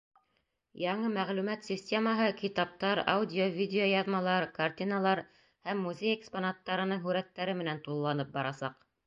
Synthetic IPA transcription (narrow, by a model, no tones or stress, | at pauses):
jɑɴɤmæʁlʉmæt̪sʲisʲtʲeməɦɤkit̪ɑp̚t̪ɑɾa̰wdʲɪovʲidʲeojɑðmɑlˠɑɾkartʲinalˠɑɾ | hæmːuzʲejeksponat̪ːɑɾɤ̆nɤɴɦʉɾæt̪ːæɾɘmɘ̆nænt̪ulˠːɑnɤp̚bɑɾɑsɑq